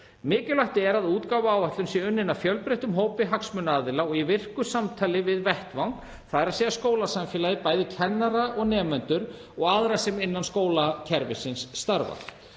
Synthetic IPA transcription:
mɪːcɪlaht̪ɪɛɾaðuːt̪kaːwvʏaːwaht̪lʏmsjɛʏnːɪnːafjœlpɾejht̪ʏmɦoːwpɪɦaksmʏnːaːðɪlaɔɣivɪr̥kʏsamt̪ʰaːlɪvɪðvɛht̪vawn | θaðɛɾaðsɛːaskoːwlasamfɛːlajðɪpaːjðɪcʰɛnːaɾaʔɔɣnɛːmɛnt̪ʏɾ | ɔɣaðɾasɛmɪnːanskoːwlacʰɛɾvɪ̰sɪnsːt̪aɾva̰

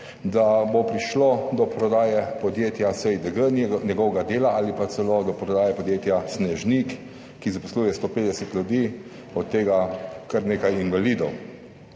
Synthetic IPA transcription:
d̪abopɾiʃlod̪ɔpɾɔd̪aːjɛpɔd̪jeːt̪jasɛjd̪əɡənnʲjɛɡɔwɡad̪eːlaalipat̪sɛlod̪ɔpɾɔd̪aːjɛpɔd̪jeːt̪jasnɛʒnikː | izapɔsluːjɛst̪oːpeːd̪ɛsɛt̪lʲjud̪iː | ɔt̪ːeːɡakəɾneːkajinʋaliːd̪ɔw

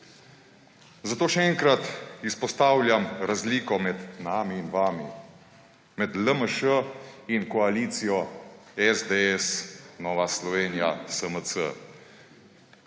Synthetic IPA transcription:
zat̪oːʃɛɛŋkɾat̪ispɔst̪aːwlʲjamɾazliːkɔmɛt̪namiːnʋami | mɛd̪ləməʃəinkɔaliːt̪sijɔɛzd̪eɛsnɔːʋaslɔʋeːnijasəmət͡s̪ə̰

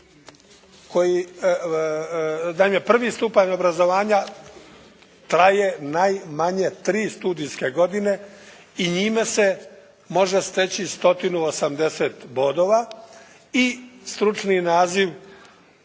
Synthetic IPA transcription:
ko̞ji | naimjepr̩ʋist̪upaɲo̞bɾazo̞ʋaːɲa | t̪ɾaje̞najmaɲet̪ɾiːst̪uːd̪ijskeɡo̞d̪ine̞ | iɲiːmese̞ | mo̞ʒest̪et͡ɕist̪o̞t̪inuosamd̪e̞set̪bo̞d̪o̞ʋa | ist̪ɾut͡ʃninaːziʋ

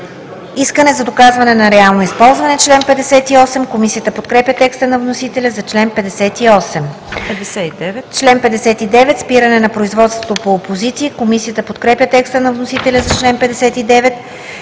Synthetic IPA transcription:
iskənɛzɐd̪okazvɐnɛnɐɾɛalˠnoispɔlˠzvɐnɛt͡ʃlɛnpɛd̪ɛsɛt̪iɔsɛmkomisijət̪əpot̪kɾɛpjʲət̪ɛkst̪ənɐvnosit̪ɛlʲəzɐt͡ʃlɛnpɛd̪ɛsɛt̪iɔsɛm | ɛd̪ɛɛt͡ʃlɛnpɛd̪ɛsɛt̪id̪ɛvɛt̪spiɾənɛnɐpɾoizvɔt̪st̪vot̪opoːpozit̪siːkomisiət̪əpot̪kɾɛpʲjət̪ɛkst̪ənɐvnosit̪ɛlʲɐzɐt͡ʃlɛnpɛd̪ɛsɛt̪id̪ɛvɛt̪

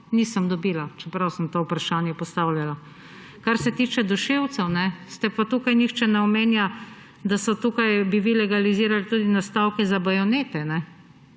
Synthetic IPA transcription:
niːsəmd̪ɔbiːlat͡ʃɛpɾawsəmt̪oːupɾaʃaːnjɛpɔst̪awljala | kaɾsɛt̪iːt͡ʃɛd̪ɔʃewt̪sɛwnɛst̪ɛpat̪ukajnixt͡ʃɛnɛɔmeːnja | d̪asɔt̪ukajbiʋilɛɡaliziːɾalit̪uːd̪inast̪awkɛzabajɔneːt̪ɛnɛ

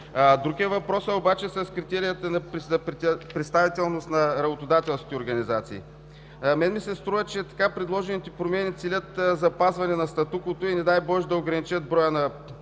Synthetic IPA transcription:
d̪ɾuɡʲiəvɐpɾɔsɐobat͡ʃɛsɐskɾit̪ɛɾijət̪ənɐzɐɾpɾɛt̪st̪avit̪ɛlˠnost̪nɐɾɐbot̪od̪at̪ɛlˠskʲit̪ɛoɾɡɐnizat̪siː | mɛnmisɛst̪ɾuvɐt͡ʃɛt̪ɐ̥kapɾɛd̪lˠɔʒɛnit̪ɛpɾomɛnit̪silʲət̪zɐpazvɐnɛnɐst̪ɐt̪ukot̪oinɛd̪ajbɔʃd̪ɐoɡɾɐnit͡ʃət̪̚bɾɔjənɐ

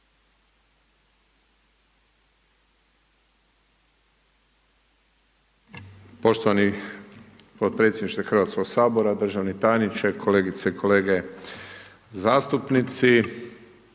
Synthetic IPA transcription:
po̞ʃt̪oʋani | pot̪̚pɾe̞t̪sjed̪niʃt̪axrʋaːt̪skoɡsaːboɾad̪r̩ʒaʋnit̪aːjnit͡ʃekʰo̞leːɡit̪seikʰo̞le̞ːɡe | zaːst̪upnit̪si

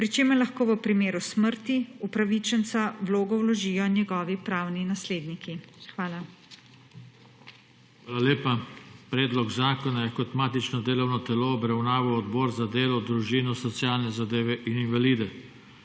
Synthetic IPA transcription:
pɾit͡ʃeːmɛɾlaxkoːʋəpɾimeːɾusməɾt̪iupɾaʋit͡ʃɛnsawloːɡɔwlɔʒiːjɔnjɛɡɔːʋipɾaːwninasleːd̪nikixʋaːla | xʋaːlaleːpapɾɛːd̪lɔɡzaːkɔnajɛkɔt̪maːt̪it͡ʃnɔd̪eːlɔwnɔt̪ɛloːbɾawnaːʋawɔd̪bɔːɾzad̪eːlɔd̪ɾuʒinusɔt̪sijaːlnɛzad̪eːʋɛʔininʋaliːd̪ɛ

